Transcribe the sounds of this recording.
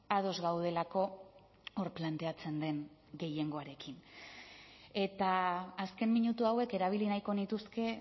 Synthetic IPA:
að̞o̞zɣawð̞e̞lako̞ | oɾplant̪e̞at͡se̞nd̪e̞ŋɡe̞je̞ŋɡo̞aɾe̞kin | e̞t̪aːske̞mmiɲut̪uawe̞ke̞ɾaβ̞ilinajko̞nit̪uske̞

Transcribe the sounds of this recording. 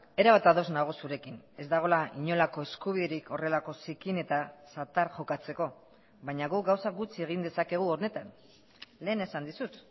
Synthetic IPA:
e̞ɾaβat̪aðo̞znaɣ̞osuɾe̞kine̞zd̪aɣ̞o̞laiɲo̞lako̞e̞skuβ̞iðeɾikʰo̞re̞lako̞sikine̞t̪asat̪aɾʝo̞kat͡se̞ko̞ | βajɲaɣuk̚ɡawsaɡut͡sie̞ɣ̞ind̪e̞sake̞ɣ̞uo̞ɾne̞t̪an | le̞ːne̞sand̪isut̪

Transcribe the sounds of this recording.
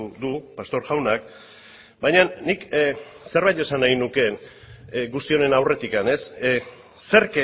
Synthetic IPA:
ðupast̪o̞ɾʝawnak̚ | bajɲanːik | se̞ɾβajt̪e̞sanajnuke̞n | ɡust̪io̞ne̞nawre̞t̪ikane̞sː | e̞ɾke

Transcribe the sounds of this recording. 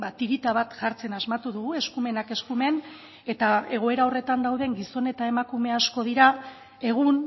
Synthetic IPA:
bat̪iɾit̪aβ̞at̪ʝaɾt͡se̞nazmat̪uðuɣue̞skume̞nake̞skume̞n | e̞t̪ae̞ɣ̞o̞e̞ɾao̞re̞t̪and̪awðe̞ŋɡiso̞ne̞t̪aemakume̞asko̞ð̞iɾa | e̞ɣ̞un

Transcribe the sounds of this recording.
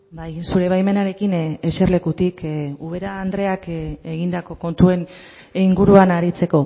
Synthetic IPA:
bajsuɾeβajme̞naɾe̞kineserle̞kut̪ikuβ̞e̞ɾaːnd̪ɾe̞akeɣind̪ako̞ko̞nt̪ue̞n | iŋɡuɾuanaɾit͡se̞ko̞

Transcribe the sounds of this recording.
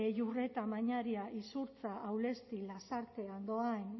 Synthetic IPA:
ejure̞t̪amaɲaɾiaʔisuɾt͡saʔawle̞st̪ilasaɾt̪e̞and̪o̞an

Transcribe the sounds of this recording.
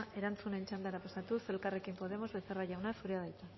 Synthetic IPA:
ʔe̞ɾant͡sunent͡ʃand̪aeɾapasat̪use̞lkare̞kimpo̞ðe̞mo̞zβeθeraʝawnasuɾeað̞ajt͡s̪a

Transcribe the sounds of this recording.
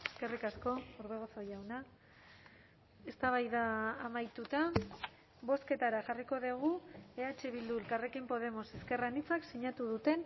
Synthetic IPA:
eske̞rikasko̞uɾβe̞ɣ̞osojawna | e̞st̪aβajðaːmajt̪ut̪a | βo̞ske̞t̪aɾaʝariko̞ðeɣ̞ue̞at͡ʃeβ̞ild̪uelkare̞kimpo̞ð̞e̞mo̞seske̞ranit͡saksiɲat̪uðut̪e̞n

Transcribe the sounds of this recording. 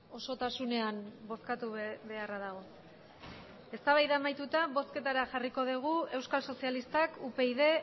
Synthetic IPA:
o̞so̞t̪asune̞ambo̞skat̪uβe̞araðaɣ̞o̞ | e̞st̪aβajðamajt̪ut̪aβo̞ske̞t̪aɾaʝariko̞ðiɣ̞ue̞wskalso̞sialist̪akupe̞iðe̞

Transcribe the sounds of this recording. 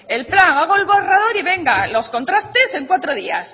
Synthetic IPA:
e̞lplaŋaɣoelβorað̞o̞ɾiβe̞ŋɡalo̞skõ̞nt̪ɾast̪e̞se̞ŋkwat̪ɾoð̞ia̰s

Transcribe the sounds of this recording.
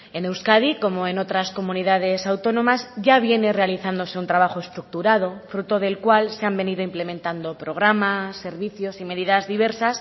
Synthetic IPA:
e̞ne̞wskaðiko̞mo̞e̞no̞t̪ɾasko̞mũniðaðe̞sawt̪o̞nõ̞mazʝaβ̞je̞ne̞re̞aliθand̪o̞se̞unt̪ɾaβ̞axo̞e̞st̪ɾuk̚t̪uɾað̞o̞fɾut̪o̞ðe̞lkwalse̞ambe̞niðoimple̞mẽnt̪and̪o̞pɾo̞ɣ̞ɾamasːe̞ɾβiθjo̞sime̞ðiðazðiβe̞ɾsas

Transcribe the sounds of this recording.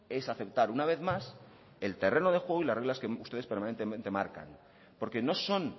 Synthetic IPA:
e̞saθe̞p̚t̪aɾunaβ̞e̞θmas | e̞lt̪e̞re̞no̞ðe̞xwe̞ɣ̞oilareɣlaskeust̪e̞ðe̞speɾmanent̪emẽnt̪e̞ma̰ɾka̰n | po̞ɾke̞no̞so̞n

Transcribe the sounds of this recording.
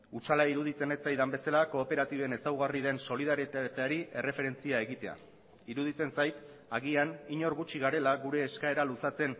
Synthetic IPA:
ut͡ʃalaiɾuð̞it͡se̞net͡sajd̪ambe̞salako̞ːpe̞ɾat̪iβe̞ne̞sawɣariðe̞nso̞liðaɾit̪aɾiʔe̞re̞fe̞ɾe̞nt͡siae̞ɣit̪e̞a̰ | iɾuð̞it͡s̪e̞nsajt̪ | aɣianiɲo̞ɾɣut͡ʃiɣaɾe̞laɣuɾe̞ːskae̞ɾalusat͡se̞n

